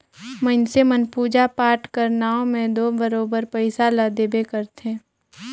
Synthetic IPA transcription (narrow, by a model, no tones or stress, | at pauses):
mənsemənpuːd͡ʒapaːɾʈkəɾnaːõmẽd̪oːbəɾoːbəɾpɛɪsaləd̪ebekəɾt̪ẽː